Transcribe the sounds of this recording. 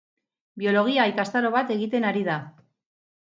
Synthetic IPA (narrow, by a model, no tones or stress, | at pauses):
bio̞lo̞ɣ̞iaːjkast̪aɾo̞β̞at̪e̞ɣit̪e̞naɾiða